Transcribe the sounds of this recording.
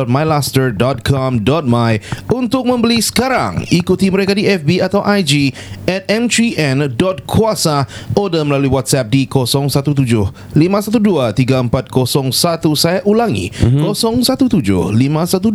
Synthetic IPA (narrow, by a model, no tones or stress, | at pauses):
ɔt̪̚majlastərdɔt̪̚kʰɔmdɔt̪̚majunt̪ʊk̚mə̃mbəlisə̥kaɾa̰ŋikut̪iməɾekadiɛfbiat̪awʔajd͡ʒi | ɛt̪̚ɛ̃mtiʔɛ̃ndɔt̪̚kʰuasaodaməlaluiwat̪̚sɛp̚dikosɔŋsat̪ut̪̬ud͡ʒʊh | limãsat̪̬uduat̪iɡaəmpat̪̚kosɔŋsat̪usajaʔulaŋḭkosɔŋsat̪ut̪ud͡ʒʊ̰hlimasat̪u